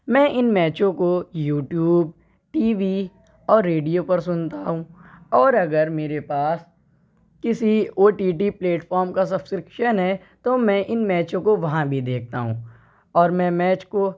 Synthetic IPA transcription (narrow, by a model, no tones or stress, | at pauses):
mɛ̃ːʔɪnmɛːt͡ʃõkojuːʈjuːb̚ | ʈiːʋi | ɔːɾːeːɖijopɐɾsʊnt̪aɦũːɔːɾɐɡəɾmeːɾepaːs | kɪsioːʈiːʈ̬ipleːʈfʰɔːɾmkas̬ɐbskɾɪkʃənɦɛ | t̪omɛ̃ʔɪnmɛːt͡ʃõkoʋɐɦãbʱid̪eːk̚ʰt̪a̰ːɦũː | ɔːɾmɛ̃mɛːt͡ʃko